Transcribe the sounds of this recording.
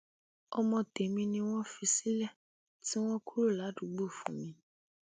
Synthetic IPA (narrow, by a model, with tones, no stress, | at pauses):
ɔ˨mɔ̃˧t̪e˨mĩ˧nĩ˧w̃ɔ̃˦fi˧si˦lɛ˦ | ti˦w̃ɔ̃˦ku˦ɾu˦˨la˨˦ɖu˨ɡ͡bo˦˨fṵ˨mĩ˨